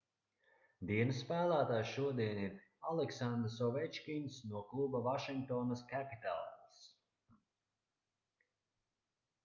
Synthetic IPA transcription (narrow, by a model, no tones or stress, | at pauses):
d̪iɛnɨspæːlˠæːt̪aːjʃuɔd̪iɛniɾalˠɛksand̪ɾsɔvɛt͡ʃkʲinsnuɔklˠubavaʃiŋk̚t̪ɔːnaskæpit̪aːls